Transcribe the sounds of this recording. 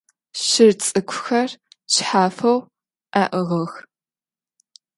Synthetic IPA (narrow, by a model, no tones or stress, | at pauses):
ɕɪrt͡sʼɨkʷʰʊxɐr | ɕħaːfɐw | ʔaːʔɨʁɐx